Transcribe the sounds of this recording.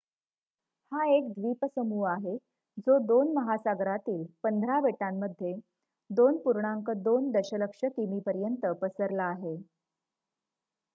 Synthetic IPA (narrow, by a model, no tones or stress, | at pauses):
haekd̪ʋiːpəsəmuːaɦe | d͡zod̪onməɦasaɡɾat̪iːlpənd̪ʱɾabeʈamːəd̪ʱje | d̪onpuɾɳaŋkəd̪ond̪əɕələkʂəkimiːpəɾjənt̪əpəsəɾlaːɦe